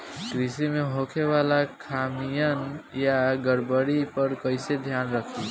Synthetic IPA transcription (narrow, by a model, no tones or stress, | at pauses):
kɾisimeɦokʰebalakʰamijənjaɡəɽbəɽipəɾkəɪsed̪ʱjanɾək̪ʰi